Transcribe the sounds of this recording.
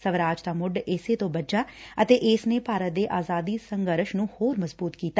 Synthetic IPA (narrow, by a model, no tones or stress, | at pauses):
səʋɾaːd͡ʒt̪aːmʊɖɪseːt̪õːbəd͡ʒaːət̪eːʔɪːsneːpaːɾət̪̚d̪eːʔaːzaːd̪iːsəŋɡəɾʃnũːhoːɾməzbuːt̪kiːt̪a